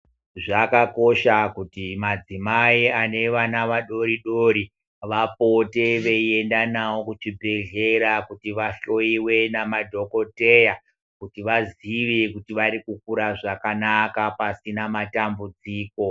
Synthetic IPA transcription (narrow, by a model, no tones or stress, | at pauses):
ʐakako̞ʃakutimad͡zimaiane̞ʋanaʋaɗo̞ɾiɗoːɾi | ʋapo̞te̞ʋe̞ie̞ndanawo̞kut͡ʃibʱe̞ɮe̞ɾakutiʋaɬo̞iwe̞namadʱo̞ko̞te̞ja | kutiʋaziʋikutiʋaɾikuk̚uɾaʐakanakapasinamatambud͡ziːko̞